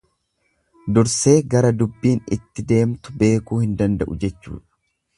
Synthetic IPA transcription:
d̪ʊɾse̞ːɡɐɾɐd̪ʊbːiːnɪ̰t̪ːɪd̪e̞ːmt̪ʊ̥be̞ːkuːhɪnd̪ɐnd̪ɐ̰ʔʊd͡ʒɛt͡ʃːṵːᶑɐ̥

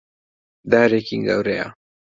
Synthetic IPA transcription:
d̪aːɾekiŋɡa̰wɾeja̰

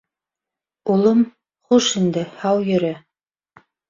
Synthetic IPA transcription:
ulˠom | χuʃind̪ɘhɑwjɵ̆ɾæ

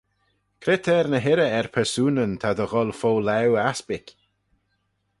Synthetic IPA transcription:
kʰɾɪt̪ʰɛɾnəɦɪɾəɛɹpʰɛɹsuːnənt̪ʰad̪əɣɔlˠfoːlɛwaspɪk

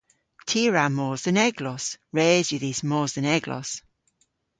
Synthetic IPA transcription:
tʰiːɹamoːzðənɛɡlɔsɹɛːzjəðiːsmoːzðənɛɡlɔ̰s

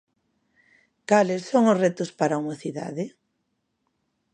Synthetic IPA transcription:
kalɪssːoŋʊsret̪ʊspaɾaumaθiða̰ðɪ

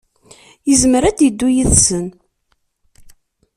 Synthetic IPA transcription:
jəzməɾæd̪jəd̪ːujiðsən

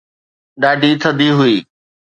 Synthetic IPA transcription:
ɗaːɖʱit̪ʰəd̪iɦʊiː

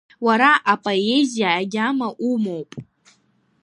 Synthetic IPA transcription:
waɾaʔapʼoezijaːɡʲamaʔumowpʼ

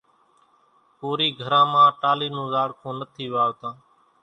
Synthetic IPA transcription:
puːɾiːɡʱəɾãːmãːʈaːliːnũːzaːɽkʰõːnət̪ʰiːʋɪaːoːt̪ãː

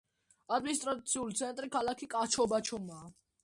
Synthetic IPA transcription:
ad̪minist̪ɾat͡sʰiulit͡sʰɛnt̪ʼɾikʰalakʰikʼɑt͡ʃʰɔbat͡ʃʰɔma

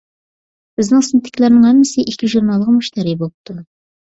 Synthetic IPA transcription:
b̥ɪznɪŋsɪnt̪ʰːɪ̥kʲlæɾnɪŋhæmːɪsɪʔikʲʰiʒuɾnɑlˠːəʁmuʃt̪æɾibolˠp̚t̪ʰu

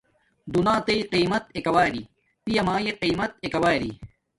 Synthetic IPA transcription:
d̪unãːt̪eiqiːmɐt̪ekɐwaːjɾi | pijɐmaːjeqiːmɐt̪̚ekɐwaːjɾḭ

